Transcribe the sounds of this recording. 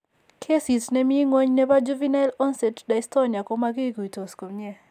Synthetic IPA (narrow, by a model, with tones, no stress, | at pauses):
kʰe˦si˨tnɛ˦mɪ˦ŋwo˦ɲnɛ˦ba˦d͡ʒu˦vi˦nalɔ˦nsɛ˨tda˨istɔ˦nja˨kɔ˦ma˦ɡɪ˦ku˨i˨to˨sko˨ɲɛ˦